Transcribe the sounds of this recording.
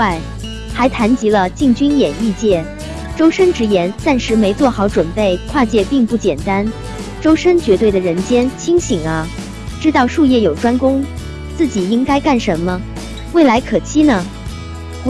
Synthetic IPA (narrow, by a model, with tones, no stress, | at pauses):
a˥˩ɪ | xa˧˥ɪt̪ʰa˧˥nt͡ɕi˧˥lə˧t͡ɕi˥˩ŋt͡ɕy˥njɛ˨˩ni˥˧t͡ɕjɛ˥˩ | ʈ͡ʂo˥ʊʂə˥ŋʈ͡ʂɻ̩˧˥jɛ˧˥nt̪a˥˩nʂɻ̩˧˥me˧˥ɪt͡swɔ˥˩xɑ˨˧˥ʊʈ͡ʂwə˨˩npe˥˧ɪkʰwa˥˧t͡ɕjɛ˥˧pi˥˧ŋpu˥˩t͡ɕjɛ˨˩nt̪a˥n | ʈ͡ʂo˥ʊʂə˥ŋt͡ɕɥɛ˧˥t̪we˥˩ɪd̪ə˩ɻə˧˥nt͡ɕjɛ˥nt͡ɕʰi˥ŋɕi˨˩ŋɐ˦ | ʈ͡ʂɻ̩˥t̪ɑ˥˧ʊʂu˥˧jɛ˥˩jo˨˩ʊʈ͡ʂwa˥nkʊ˥ŋ | t͡sɹ̩˥˩t͡ɕi˨˩i˥ŋka˥ɪka˥˩nʂə˧˥nmə˧ | we˥˩ɪla˧˥ɪkʰɤ˨˩t͡ɕʰi˥nə˨˩